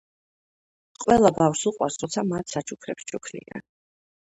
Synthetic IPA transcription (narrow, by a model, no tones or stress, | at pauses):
qʼwɛlˠabafɾsuqʼwaɾsɾɔt̪sʰamat̪ʰsat͡ʃʰukʰɾɛpst͡ʃʰukʰlḭa̰